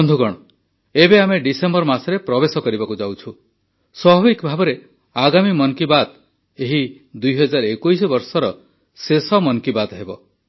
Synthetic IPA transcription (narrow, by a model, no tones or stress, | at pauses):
nd̪ʱuɡɔɽ̃ɔ | ebeameɖisembɔɾmasɔɾepɾɔbesɔkɔɾibakud͡ʒawt͡ʃʰu | swɔbʱɔbikbʱabɔɾe | aɡamimɔnkibat̪ | eɦi | d̪ujɦɔd͡ʒaɾɔekujsɔbɔɾsɔɾɔ | sesɔmɔnkibat̪ɦebɔ